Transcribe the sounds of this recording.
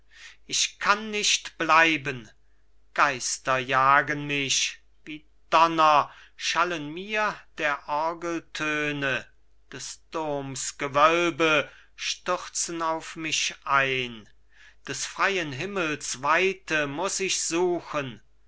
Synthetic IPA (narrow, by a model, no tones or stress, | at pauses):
ʔɪʃkʰanːɪʃtb̥laɪbən | ɡ̥aɪstɐjaːɡənmɪç | d̥iː | d̥ɔnɐ | ʃalənmiːɐd̥eːɐʔɔɐɡəl̩tʰøːnə | d̥ɛsd̥ʊɐmsɡ̥əvœlbə | ʃtʏʁt͡sənaʊfmɪçʔaɪn | d̥ɛsfʁ̥aɪənɦɪməlsvaɪtəmʊsɪçz̥uːxən